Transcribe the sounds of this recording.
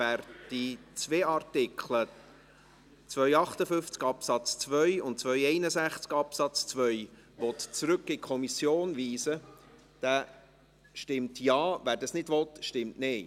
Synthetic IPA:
æːɾd̥it͡sveːɑɾtɪkχlə | t͡svœjɑχtəfʏft͡skɑpsɑt͡st͡svœʏʊntt͡sʋœjɛɪnəzæχt͡skɑpsɑt͡st͡svœʏ | ʋɔtt͡sɾɵkːɪkʰɔmisjoːnviːzə | d̥æː | ʃtɪmtjɑːvæːɾdɑsnɪdʋɔt̪ʃtɪmtnɪː

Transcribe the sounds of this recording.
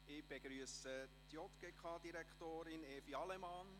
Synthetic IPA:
ɪb̥eɡ̥ɾyəsət̪jɔt̪ɡ̥eːkʰɑːd̥̪iɾɛkχt̪oːɾɪnɛːfiɑlɛmɑn

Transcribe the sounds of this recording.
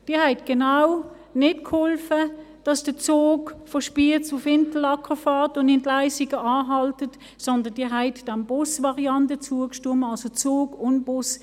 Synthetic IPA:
d̥iːɐɦɛɪtɡ̥enaw | nɪtkʰhɔlfə | d̥ɑsd̥ət͡soːkfɔʃpiət͡sʊfɪntl̩ɑkʁəfaːtʊndɪntlaɪsiɡəɑːɦɑltət | sɔndənd̥iːɐɦɛɪtd̥æmb̥ʊsvɑʁiɑntət͡suːəkʃtuɐmɑlsot͡soːɡʊnb̥ʊs

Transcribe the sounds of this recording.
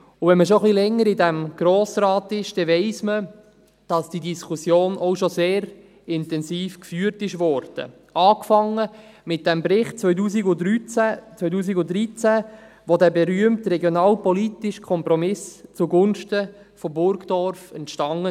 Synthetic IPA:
ʊvɛnməʃ̬oχlilɛŋːəɾɪdæmɡ̥ɾoːsrɑːtɪʃd̥ɛʋeɪsmə | d̥ɑsd̥idiskʰusjoːnʔɔʊʃoseːɾ | ɪntɛnziːfkfyːətɪʃʋɔːɾd̥ə̰ | ʔɑːkfɑŋːəmɪt̚d̥æmbɾɪχt̚t͡sʋœʏduːsiɡʊdɾyt͡sæt͡sʋœtuːs̬iɡʊdɾit͡sæ | ʋodæːbɛɾyəmtɾɛɡjonɑːlpɔlitɪʃkʰɔmpɾɔmɪst͡suɡʊnʃtə | fɔbʊɾɡd̥ɔɾfɛntʃtɑŋə

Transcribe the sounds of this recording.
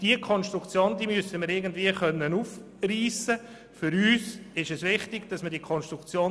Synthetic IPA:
d̥iəkʰɔnstɾukt͡sjoːnd̥iːmysəməɾɪɡən̩dviːəχœnːənuːf | riːsə | fʏɾyːsɪʃɛsʋɪχtɪɡ̥d̥ɑsmədiəkʰɔnʃtɾukt͡sjoː

